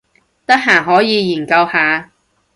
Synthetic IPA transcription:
t̪ɐ˥k̚ɦaː˨˩ɦɔː˨˥jiː˨˧jiː˨˩nkɐ˧whaː˨˧

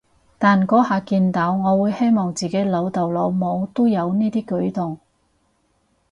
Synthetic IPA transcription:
t̪aː˨nkɔː˨˥haː˨˧kiː˧nt̪aː˨˥wŋɔː˨˧wuː˨˧jhe˥jmɔː˨ŋt͡siː˨ke˨˧˥jlɐ˨˧wt̪ɐ˨wlo˨˧wmo˨˧wt̪o˥jɐ˨˧wniː˥t̪iː˥kɵ˨˥ɥt̪ʊ˨ŋ

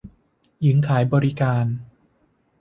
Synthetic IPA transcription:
ji˩˦ŋkʰaː˩˦jbɔː˧ɾi˦kaː˧n

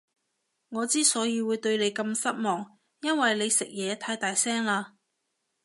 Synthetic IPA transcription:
ŋɔː˨˧t͡siː˥sɔː˨˥jiː˨˧wuː˨˧jt̪ɵ˧ɥne˨˧jkɐ˧msɐ˥t̚mɔː˨˩ŋ | jɐ˥nwɐ˨jle˨˧jsɪ˨k̚jɛː˨˧t̪ʰaː˨˥jt̪aː˨jsɛː˥ŋlaː˧

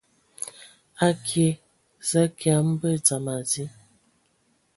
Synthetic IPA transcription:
a˦kʰje˨ | za˦kja˨˦m̩˦bə˦t͡sa˨ma˨zi˦

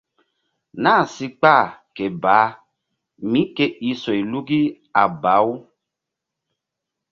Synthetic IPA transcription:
nã˦˨si˧k͡pa˦˨ke˨ba˨˦ | mĩ˨˦ke˦i˧sɔ˨i˨lu˦ɡi˦ | a˨ba˨˦w

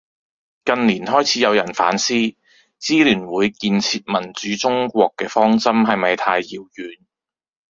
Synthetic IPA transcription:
kɐ˨˧nliː˨˩nɦɔː˥jt͡sʰiː˨˥jɐ˨˧wjɐ˨˩nfa̰ː˨˥nsiː˥ | t͡siː˥lyː˨˩nwuː˨˧jkiː˧nt͡sʰiː˧t̚mɐ˨˩nt͡syː˨˥t͡sʊ˥ŋkʷɔː˧kːɛː˧fɔː˥ŋt͡sɐ˥mɦɐ˨jmɐ˨jt̪ʰaː˧jːiː˨˧wjyː˨˧n

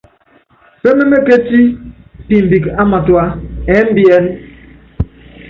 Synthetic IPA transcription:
fe˦me˦me˦ke˦ti˦pi˨m̩˨bi˨ka˦ma˨twa˦ɛ˨˦m̩˦bi˦ɛ˦n

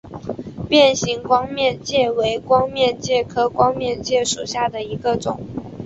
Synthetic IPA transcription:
pjɛ˥˩nɕi˧˥ŋkwɑ˥ŋmjɛ˥˧nt͡ɕjɛ˥˩we˧˥ɪkwɑ˥ŋmjɛ˥˧nt͡ɕjɛ˥˩kʰɤ˥kwɑ˥ŋmjɛ˥˧nt͡ɕjɛ˥˩ʂu˨˩ɕja˥˩d̪ə˩i˧˥ɡə˧ʈ͡ʂʊ̰˨˩˦ŋ

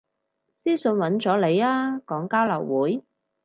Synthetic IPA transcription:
siː˥sɵ˧nwɐ˨˧˥nt͡sɔː˨˥le˨˧jaː˥kɔː˨˥ŋkaː˥wlɐ̰˨˩wwuː˨˥j

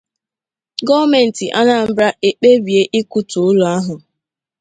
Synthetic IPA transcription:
ɡɔ˦me˨n̩˨ti˨ʔa˦na˨m̩˦bɾa˦ʔe˨k͡pe˦bi˨e˦ʔi˦ku˦tu˨ʊ˦lu˨a˦ɦʊ˨

